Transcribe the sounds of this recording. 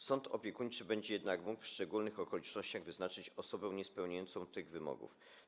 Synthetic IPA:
sɔnt̪ʰɔpʲjɛkuɲt͡ʂɘbɛɲd͡ʑɛjɛd̪nakmukfʂt͡ʂɛɡulnɘxɔkɔlʲit͡ʂnɔɕt͡ɕaɣvɘznat͡ʂɘt͡ɕɔsɔbɛw̃ɲɛspɛwɲajɔnt̪sɔ̃w̃t̪ɘɣvɘmɔ̰ɡṵf

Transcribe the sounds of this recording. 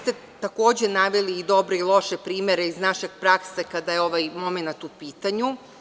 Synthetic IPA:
st̪e | t̪ako̞ːd͡ʑe̞naʋeliːd̪o̞bɾeilˠo̞ʃe̞pɾiːmeɾeiznaʃe̞ɡ̥pɾaksekad̪ajeo̞ʋajmo̞menat̪upiːt̪aɲu

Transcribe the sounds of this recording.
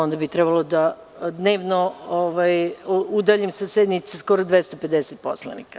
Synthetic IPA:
o̞nd̪abit̪ɾɛbalod̪a | d̪ne̞ːʋnooʋajud̪aʎimsased̪nit̪sesko̞ɾod̪ʋest̪ape̞d̪eset̪̚po̰slˠa̰nḭka

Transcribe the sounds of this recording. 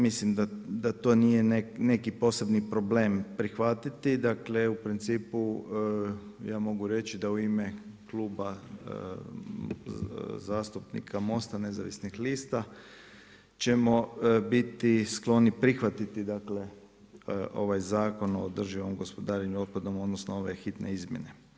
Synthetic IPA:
mislimd̪ad̪at̪o̞ːnijenene̞kipo̞se̞bnipɾo̞ble̞ːmpɾixʋat̪it̪id̪akle̞upɾint̪siːpu | jaːmo̞ɡuɾe̞t͡ʃid̪auimekluːba | zaːst̪upnḭkʰamo̞st̪ane̞za̰ʋḭsnixliːst̪a | t͡ʃe̞mo̞bit̪isklo̞nipɾixʋat̪it̪id̪akle̞ | ʔo̞̰ʋajzaːko̞noːd̪r̩ʒiʋo̞mɡo̞spo̞d̪aːɾeɲuo̞d̪̚pad̪o̞mod̪nosnoo̞ʋe̞xit̪nḛizmje̞ne̞

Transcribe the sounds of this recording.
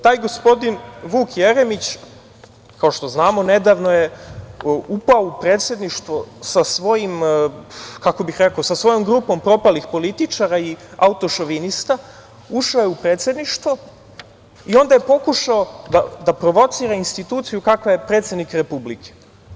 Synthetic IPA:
t̪aːjɡospo̞d̪inʋuːkjeɾemit͡ɕ | kao̞ʃt̪o̞znaːmo̞ned̪aːʋno̞je | upaoupɾe̞ːt̪sje̞d̪niʃt̪ʋosasʋo̞jim | kako̞bixɾekaosasʋo̞jo̞mɡɾupo̞mpɾo̞palixpo̞lit̪it͡ʃaɾaiaut̪o̞ʃoʋinist̪a | uʃojeupɾet̪sje̞d̪niʃt̪ʋo | io̞nd̪aje̞po̞kuʃaod̪ad̪apɾo̞ʋo̞t̪siːɾainst̪it̪uːt̪sijukakʋaje̞pɾe̞ːt̪sjed̪nikɾepublikʰe̥

